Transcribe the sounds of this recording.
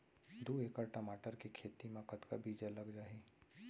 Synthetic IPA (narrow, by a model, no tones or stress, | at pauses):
d̪ueːkaʈəmaːʈəɾkekʰeːt̪imãkət̪ka̰bʱiːd͡ʒəlɐɡd͡ʒaːi